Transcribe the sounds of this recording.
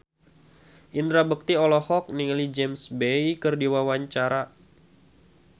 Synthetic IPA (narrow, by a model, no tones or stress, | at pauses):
ʔind̪ɾabək̚t̪iɔlɔhɔk̚niŋlid͡ʒɛmsbejkərdiwawaɲt͡ʃaɾa